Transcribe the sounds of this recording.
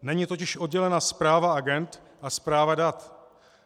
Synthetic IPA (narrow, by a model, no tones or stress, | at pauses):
nɛɲit̪o̞cɪʃʔo̞d̚ɟɛlɛnaspɾaːvaaɡɛnt̪ | ʔaspɾaːvadat̪